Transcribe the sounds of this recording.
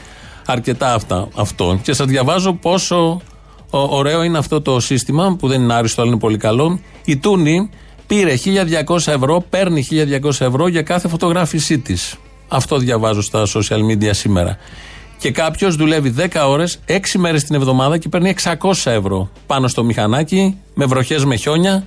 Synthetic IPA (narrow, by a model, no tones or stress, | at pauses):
ɐɾce̞t̪ɐːft̪ɐ̰ɐft̪o̞̰ce̞sɐzðʝɐvɐzo̞po̞so̞ | ɾe̞o̞ineɐft̪o̞t̪o̞sist̪imɐpuðe̞nineɐɾist̪oɐlinepo̞likɐlo̞ | it̪uni | piɾe̞çiʎɐðʝɐko̞sɐe̞vɾo̞pe̞ɾniçiʎɐðʝɐko̞sɐe̞vɾo̞ʝɐkɐθe̞fo̞t̪o̞ɣɾɐfisit̪is | ɐft̪o̞ðʝɐvɐzo̞st̪ɐsosiɐlmid̪iɐsime̞̰ɾɐ̰ce̞kɐpço̞zðule̞viðe̞kɐo̞ɾe̞se̞ksime̞ɾe̞st̪ine̞vðo̞mɐðɐcepe̞ɾnie̞ksɐko̞sɐe̞vɾo̞pɐno̞st̪o̞mixɐnɐci | me̞vɾo̞çe̞zme̞ço̞ɲɐ